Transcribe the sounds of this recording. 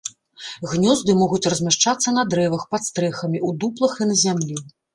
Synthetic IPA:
ɣnʲɔzd̪ɨmɔɣut͡sʲrɐzʲmʲaʂt͡ʂat̪sːɐnɐd̪ɾɛvɐxpat̪st̪ɾɛxɐmʲiud̪uplˠɐxinɐzʲamlʲi

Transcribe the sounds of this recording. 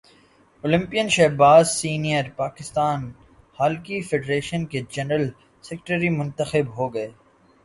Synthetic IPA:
oːlɪ̃mpijənʃɛːbaːzsiːnijəɾpaːkɪst̪aːn | haːlkifeɖɾeːʃənked͡ʒɛnɾəl | sɛkʈəɾimʊ̃nt̪əxɪbɦoːɡɐeː

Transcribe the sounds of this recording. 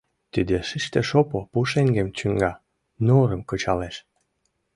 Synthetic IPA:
t̪id̪eʃiʃt̪eʃopopuʃeŋɡemt͡ɕyŋɡɑ | noɾəmkɤ̆t͡ɕɑleʃ

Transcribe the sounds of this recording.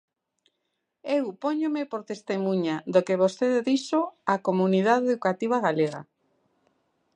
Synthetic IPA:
ewpoɲomepoɾt̪est̪emũɲaðokeβost̪eðeðiʃoakomuniðaðeðukat̪iβ̞aɣaleɣa̰

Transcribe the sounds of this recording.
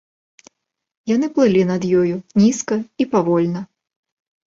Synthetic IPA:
janɨplˠɨlʲinɐd̪jɔjunʲiskɐipavɔlʲnɐ

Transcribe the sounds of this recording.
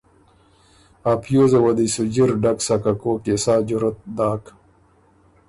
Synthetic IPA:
aːpʰjoːzewɐd̪isud͡ʑiɾɖɐksɐkɐkoːkesaːd͡ʑuɾɐt̪̚d̪aːk

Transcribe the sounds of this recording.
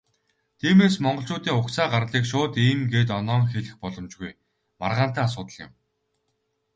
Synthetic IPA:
t̪ʰiːmeːsmɔɴɢɞ̆ɬt͡ɕʊːt̪iːŋʊksaːɢarɮiːkʃʊːt̪iːmɡeːt̪̬ɔnɔːŋxeɮɘ̆xpɔɮɞ̆mt͡ɕɡuj | ma̰rʁaːnt̪æːas̬ʊːt̪ə̆ɮjɪ̰̆m

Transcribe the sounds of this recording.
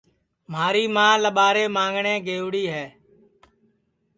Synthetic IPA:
maːɾiːmãːləɓaːɾeːmãːŋɡɳẽːɡeːʋɽiːɦɛː

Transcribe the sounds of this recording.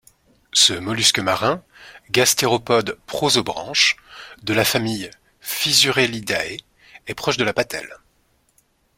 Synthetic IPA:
səmɔlyskʲəmaʁɛ̃ | ɡast̪eʁɔpɔd̪pχozobʁɑ̰̃ʃd̪əlafamij | fizyʁelid̪ae | ɛpχɔʃd̪əlapat̪ʰɛ̰l

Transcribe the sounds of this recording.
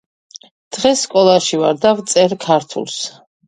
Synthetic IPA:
d̪̥ʁɛsːkʼɔlˠaʃivaɾd̪avt̪sʼɛɾkʰaɾt̪ʰṵlˠs

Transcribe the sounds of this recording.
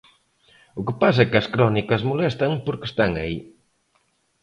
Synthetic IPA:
ʊkɪpas̬ɐɛkɐskɾɔnikɐzmolɛst̪ɐŋpoɾkɪ̥st̪aŋɐi

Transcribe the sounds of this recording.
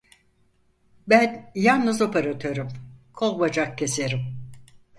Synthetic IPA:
bænjalnˠnɯzo̞peɾat̪ʰøɾymkʰo̞lˠbad͡ʒak̚cʰe̞seɾim

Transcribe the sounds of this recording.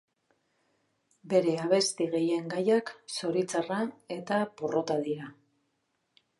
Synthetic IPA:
be̞ɾe̞aβ̞e̞st̪iɣe̞je̞ŋɡajakso̞ɾit͡sarae̞t̪aporo̞t̪aðiɾa

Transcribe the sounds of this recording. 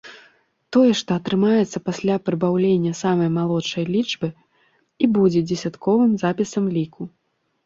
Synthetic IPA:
t̪ɔjɛʂt̪ɔɐt̪ɾɨmajɛt̪sːɐpasʲlʲapɾɨbawlʲenʲːɐsamɐjmalˠɔt͡ʂːɐjlʲit͡ʂbɨ | ibud͡zʲɛd͡zʲɛsʲat̪kʰɔvɨmzapʲisɐmlʲiku

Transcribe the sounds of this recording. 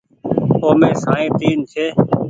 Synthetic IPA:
oːmẽːsãːẽːt̪iːnt͡ʃʰeː

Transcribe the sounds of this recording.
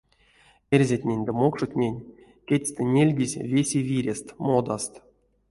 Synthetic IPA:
erʲzʲatʲnʲenʲd̪əmokʂutʲnʲenʲ | kʲetʲsʲt̪ɘnʲelʲɡʲizʲvʲesʲevʲiɾʲest̪mod̪ast̪

